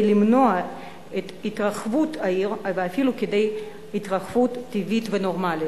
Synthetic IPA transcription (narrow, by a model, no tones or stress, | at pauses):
limnoa | et̪it̪ʁaχvut̪ʰaiʁveafiluked̪ej | it̪ʁaχv̥ut̪ːivit̪venoʁmali